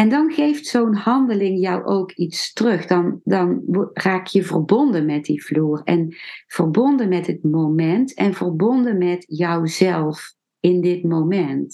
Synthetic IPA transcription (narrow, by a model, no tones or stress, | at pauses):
ɛndɑnɣejftsownhɑndəlɪŋjʌwʔowkitstrɵχdɑndɑnraːkjəvə̰rbɔndənmɛt̚div̥luːrɛ̰nv̥ərbɔndənmɛtɦət̚mowmɛntɛnvərbɔndənmɛtjəwzɛlˠf | ɪndɪtmowmɛnt